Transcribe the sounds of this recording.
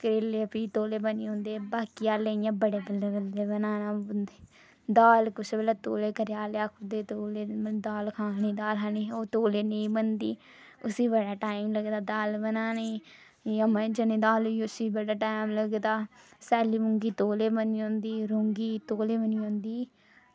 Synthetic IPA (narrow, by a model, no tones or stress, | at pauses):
kɾeːleːpiːt̪oːleːbəniːõːnd̪eːbaːkiːaːleːijãːbəɽeːbəlːeːɡəleːbənaːnãːbənd̪eː | d̪aːlkʊt͡ʃbəlaːt̪oːleːkəɾjaːleaːkʰʊd̪eːt̪oːleːd̪aːlkʰaːniːd̪aːlɦaniːoːt̪oːleːnəĩːbənd̪ḭː | ʊsiːbəɽaːʈaːɪmləɡd̪aːd̪aːlbənaːniː | əməd͡ʒənĩːd̪aːloʊsiːbəɽaːʈaːimləɡd̪aːsɛːliːmʊŋɡiːt̪oːleːbəniːõːnd̪iːɾʊŋɡiːt̪oːleːbəniːɦõːnd̪iː